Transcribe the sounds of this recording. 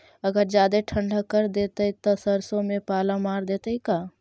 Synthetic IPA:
ɐɡəɾd͡ʒjaːd̪eʈʰə̃ɳɖakəɾd̪eːt̪eit̪osɐɾsõmẽpaːlãmaːɾd̪eːt̪eikaː

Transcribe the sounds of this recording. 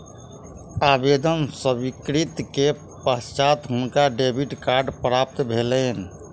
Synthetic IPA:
abed̪ənsəbikɾit̪ke | pəst͡ʃat̪ɦunkaɖebʱiʈkaɾɖpɾap̚t̪bʱelɛn

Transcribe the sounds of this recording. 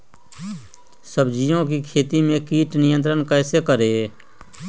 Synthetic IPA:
səbd͡ʒijõkikʰeːt̪imẽkiːʈnɪjə̃nt̪̬ɾənkɛːsekəɾe

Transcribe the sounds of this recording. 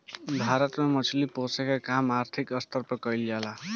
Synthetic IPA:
bʱaɾʌt̪mamʌt͡ʃʰiliposekakamaɾt̪ʰikʌst̪ʌɾpʌkʌjljala

